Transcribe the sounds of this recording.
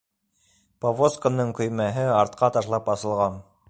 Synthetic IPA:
povoskə̆nːɤɴkɵ̆jmæɦɘɑɾt̪qʰɑt̪ɑʃlˠɑpɑsɤ̆lˠʁɑn

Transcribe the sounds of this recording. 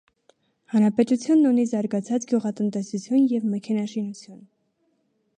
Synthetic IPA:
hɑnɾɑpɛt̪ut͡sʰjunːunizɑɾɡɑt͡sʰɑt͡sɡjuʁɑt̪ənt̪ɛsut͡sʰjunjɛvmɛkʰɛnɑʃinut͡sʰjun

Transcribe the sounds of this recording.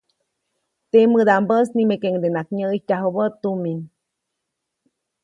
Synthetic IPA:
t̪emɨd̪ambəsnimekeŋd̪enakɲəːcaɦobət̪ːumin

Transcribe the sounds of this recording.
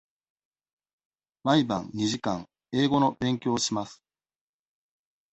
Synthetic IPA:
maibã̰nɲ̟iʑikã̰ŋ | e̞ːɡo̞no̞bẽ̞ŋkʲo̞ːɕimasɨ̥

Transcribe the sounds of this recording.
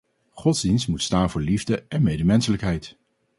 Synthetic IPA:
χɔtzdinstmutstaːnvʊːɹlivdəɛnmejdəmɛnsələkɦɛjt

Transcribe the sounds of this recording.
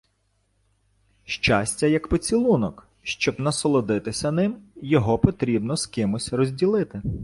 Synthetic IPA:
ʃt͡ʃasʲtʲɐjɐkpɔt͡sʲilˠunɔk | ʃt͡ʃɔbnɐsɔlˠɔd̪ɪt̪ɪsʲɐnɪmjɔɦɔpɔt̪ɾʲibnɔskɪmʊsʲrɔzʲdʲilˠɪt̪ɪ

